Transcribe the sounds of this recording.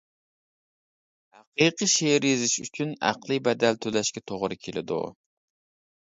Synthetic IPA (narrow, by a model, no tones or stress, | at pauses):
hæqiqɨʃeɾjezɪʃyt͡ʃʰynæ̰qlˠɨbɛd̪ælt̪ʰølɛʃkʲɛt̪ʰoʁɾɨkʲʰelɪ̰d̪ṵ